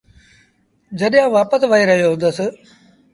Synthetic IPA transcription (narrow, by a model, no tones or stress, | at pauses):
d͡ʑɐɗjãːʋaːpəsʋəiɾɐɦijoɦʊ̃nd̪əs